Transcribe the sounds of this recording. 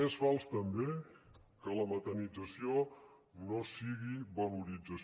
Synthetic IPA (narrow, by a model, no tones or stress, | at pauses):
esfalˠst̪əmbe | kələmət̪ənid͡zəsio | nosiɣiβəluɾid͡zəs